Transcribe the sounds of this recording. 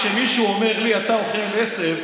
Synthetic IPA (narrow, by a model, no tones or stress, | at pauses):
ʃemiʃuome̞ʁliat̪aoχemesev